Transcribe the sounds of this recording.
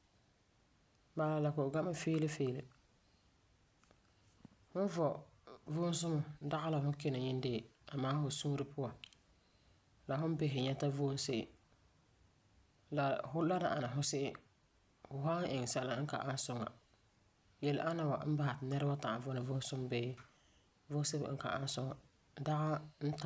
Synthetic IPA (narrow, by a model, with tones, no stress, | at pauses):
baː˨la˨la˨kʊ˨ʔʊ˨ɡa˦ma˦feː˦lɪ˦feː˦lɪ˨ | hʊ˦n˦vɔ˨vo˦n˦s̬ʊ˦mʊ˨˦da˦ɣa˦la˨hʊ˦ke˦nɪ˨ɲɪ˦n˦deː˦˨ | a˨maː˦hʊ˨sũː˦ɾɪ˦pʰʊ˦a˨ | la˨hʊ˦n˦be˦ɦɪ˨ɲɛ˦ta˦vo˦n˦sɪ˦ʔɪ˨ | la˨hʊ˦la˦na˨ʔa˨na˨ɦʊ˦sɪ˦ʔɪ˦ | hʊ˨ɦa˦ŋ̩˦ʔɪ˨ŋ˨sa˦la˦ŋ̩˦ka̰˨ʔa˦n˦sʊ˦ŋa̰˨ | jɛ˨lʔa˦na˨wa̰˨˦m̩˦ba˦ha˨tnɛ˦ɾɨ˦ba˦ta˨a˨vɔ˦nɪ˨vʊ˦n˦sʊ˦m˦be˦ | vʊ˦se˦b̰ŋ̩˦ka̰˨ʔa˦n˦sʊ˦ŋa˨ | da˦ɣa˦n̩˦ta˨